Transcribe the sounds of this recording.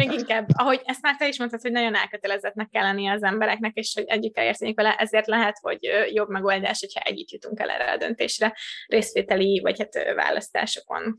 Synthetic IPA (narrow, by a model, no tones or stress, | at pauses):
meːɡiŋkaːbːɒɦo̞ɟɛst̪maːrt̪ɛiʃmont̪at̪ho̞ɟnɒɟo̞nɛlkøt̪ɛlɛzɛt̪nɛkːɛlːɛnːijɛːzɛmbɛɾɛknɛkeːʃho̞ɟɛɟːykːɛlḛːrt̪eːɲikʋɛlɛʔɛzeːrt̪lɛɦɛt̪ho̞̰ɟøjo̞bmɛɡo̞ld̪aːʃho̞cʰhɒ̰ʔɛ̰ɟːit̪jut̪uŋkɛ̰lʔɛ̰ːrːɛ̰ɒ̰d̪ø̞̰nt̪ḛːʃrɛreːsʋeːt̪ɛlivɒ̰chat̪øva̰ːlɒ̰st̪a̰ːʃo̞̥ko̞̰n